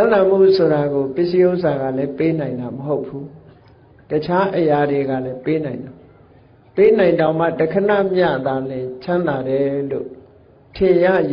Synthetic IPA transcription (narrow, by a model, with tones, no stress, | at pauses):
ã˦nã˨m̥ṵ˦˨so˨ɾa˨ɡo˨pɪ˦˨si˦ʔo˦ʊsa˨ɡä̰˦˨lɛ˦pe˦nã˨ɪ̃nd̪a˨məɦo˦ʊpʰːu˦ | tət͡ɕʰa˦ʔəja˨de˨ɡa̰˦˨lɛ˦pe˦nã˨ɪ̃ndã˨ | pe˦nã˨ɪ̃ndã˨ʊ̃ma̰˦˨tə˨kʰə˨na̰˦˨mja̰˦˨d̪a˨lɪ̃˨t͡ɕʰã˦nd̪a˨ɾɛ˨˦lo̰˦˨ | tʰɪ̃˨ja̰˦˨j